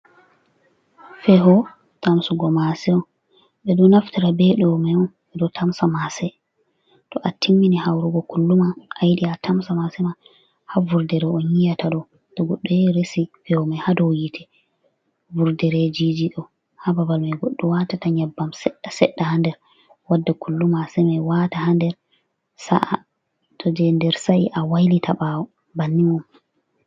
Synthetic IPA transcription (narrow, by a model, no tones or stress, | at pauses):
fɛɦɔ | tamsuɡɔmasɛɔ | ɓɛɗɔnaftiɾabɛɗɔmɛɔn | ɛdɔtʰamsamasɛ | tɔʔatimːinihawɾuɡɔkulːumaʔːjiɗiatʰamsamasɛma | havuɾdɛɾɔɔnhijataɗɔ | tɔɡɔɗːɔjɛɾesifɛwmɛhadowjitʰɛ | vuɾdɛɾɛd͡ʒid͡ʒiɗɔ | hababalmɛɡɔɗːɔwatataɲɛbːamsɛɗːasɛɗːahandɛɾ | wadːakʰulːumasɛmɛwatahandɛɾ | sa̰ʔa | tʰɔd͡ʒɛndɛɾsajʔawajlitʰaɓawɔ | banːimum